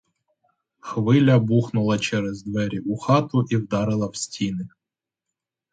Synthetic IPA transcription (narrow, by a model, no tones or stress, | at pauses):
xʋɪlʲɐbuxnʊlˠɐt͡ʃɛɾɛzd̪ʋɛɾʲiʔuxɑt̪ʊʔiwd̪ɑɾɪlˠɐwsʲtʲinɪ